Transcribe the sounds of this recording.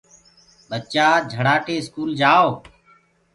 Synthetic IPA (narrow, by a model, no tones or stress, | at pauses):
ɓət͡ʃaːd͡ʒʱəɽaːʈeːskuːld͡ʒaːo